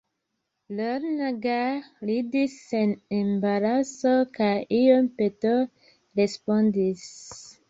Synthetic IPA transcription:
loɾnaɡalidisenembaɾasokajijompeto | ɾe̞spondis

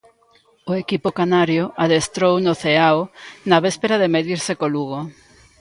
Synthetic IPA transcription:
oekipokanaɾjoʔaðest̪ɾownoθeaonɐβespeɾaðemeðiɾsɪkoluɣo

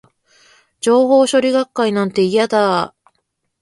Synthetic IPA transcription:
d͡ʑo̞ːho̞ːɕo̞ɾʲiɡakːainãnt̪e̞ijad̪a

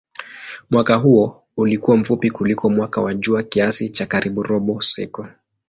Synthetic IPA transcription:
mwakaɦuɔ | ulikuwaɱ̩fupikulikʰɔmwakawaʄuakiasit͡ʃakaɾiɓuɾɔɓɔsɛ̰kɔ

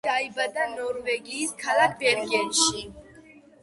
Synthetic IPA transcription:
aibad̪anɔɾvɛɡiːskʰalakʰbɛɾɡɛt̪ʃi

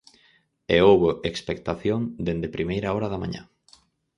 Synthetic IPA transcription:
eowβoʔekspek̚t̪aθjõŋd̪end̪epɾimejɾaɔɾaðamã̰ɲã̰

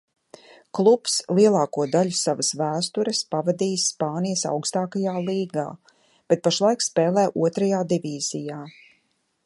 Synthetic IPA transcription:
klˠupslˠiɛlˠaːkuɔd̪aʎusaʋɐsvæːst̪uɾəspavad̪iːsːpaːnijəsa̰wkst̪aːkajaːlˠiːɡa̰ː | b̥et̪̚paʃlˠajkspɛːlˠɛːʔuɔt̪ɾajaːd̪iviːz̥ijaː

